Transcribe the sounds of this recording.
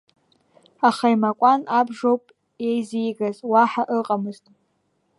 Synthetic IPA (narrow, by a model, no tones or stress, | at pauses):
aχajmakʷʼanabʐowpʼ | ejzijɡazwaħaʔɨqʼamɨztʼ